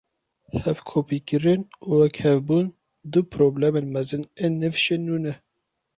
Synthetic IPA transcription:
hɛvkʰoːpiːkɨɾɪnuwɛkhɛvbuːn | d̪ɨpʰɾoːblɛmeːnmɛzɨnenɨvʃenuːnɛ

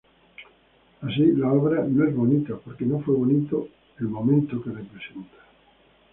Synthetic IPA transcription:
as̬ilaoβɾanõezβonit̪apoɾkenõfweβonit̪o | elmomẽnt̪okerepɾesent̪ḁ

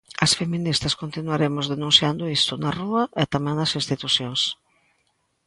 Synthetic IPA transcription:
ɐsfemĩnist̪ɐskont̪inwaɾemʊzðenũnθjand̪ʊist̪ʊnɐruɐʔɛt̪amɛ̃ŋnɐsinst̪it̪usjoŋs

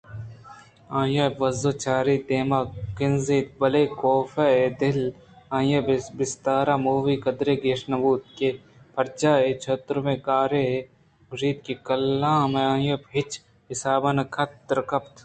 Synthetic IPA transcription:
ãːjɐbʋɐzot͡ʃaːɾid̪eːmakɪnziːt̪̚bɐleːkoːfeed̪ɪl | ãːjɐbɪst̪aːɾaːmuːʋiːkɐd̪ɾeːɡeːʃnɐbuːt̪̚ke | pʰɐɾt͡ʃaːet͡ʃʰɐt̪ɾmẽkaːɾe | ɡɾiːd̪̚kikɐlːãːmeãːjobɦɪt͡ʃ | ɦɪsaːbɐnɐkʰɐt̪ːɾkɐpt̪ʰ

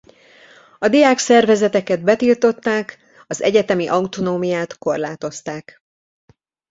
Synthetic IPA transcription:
ɒd̪ijaːksɛrvɛzɛt̪ɛkɛd̪̚bɛt̪ilt̪o̞t̪ːaːk | ɒzɛ̰ɟɛt̪ɛmiʔɒwt̪onoːmijaːt̪ko̞rlaːt̪o̞st̪aːk

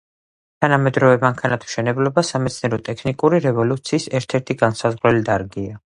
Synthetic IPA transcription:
t̪ʰanamɛd̪ɾɔvɛmaŋkʰanat̪ʰm̥ʃɛnɛblɔbasamɛt̪sʰniɛɾɔt̪ʼɛkʰnikʼuɾiɾɛvɔlut̪sʰiːsɛɾt̪ʰɛɾt̪ʰiɡansazʁɾɛlid̪aɾɡia

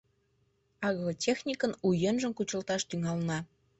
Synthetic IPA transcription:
ɑɣlotʲexnʲikənujenʒə̆mkut͡ɕə̆lt̪ɑʃt̪yŋɑlnɑ

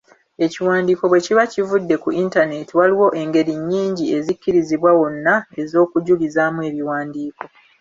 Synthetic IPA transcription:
e̞ciwaːndiːko̞βwe̞ciβacivudːe̞kuintane̞tiwaliwo̞ʔe̞ŋɡe̞ɾiɲːiːɲɟie̞zicːiɾiziβwawo̞nːae̞zo̞ːkuɟulizamue̞ːβiwaːndiːko̞

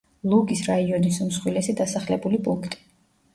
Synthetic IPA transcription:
lˠuɡisɾaiɔnisumsχwilɛsid̪asaχlɛbulipʼuŋkʰt̪ʼi̥

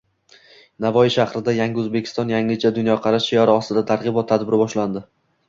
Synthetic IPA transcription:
navɒjɪʃahɾɪd̪ajaŋʲɪɵzbekʲʰɪ̥st̪ɒnjaŋɪt͡ʃʰad̪ʊnjɒqʰɑɾaʃijɒɾaɒst̪ɪd̪at̪ʰaɾʁɨbɒt̪ʰːad̪bɪɾɪbɒʃland̪ɪ

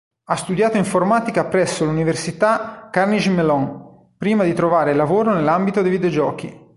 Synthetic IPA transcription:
ast̪ud̪jaːt̪oiɱformaːt̪ikapɾɛsːoluniversit̪akːarnid͡ʒimelɔn | pɾiːmad̪it̪ɾovaːɾelavoːɾonelːambit̪od̪ejvid̪eod͡ʒɔːk̟i

